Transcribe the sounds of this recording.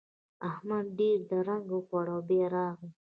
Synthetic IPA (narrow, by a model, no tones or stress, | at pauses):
ahmad̪ɖeɾd̪əɾaŋɡokaɽawbeɾɑɣi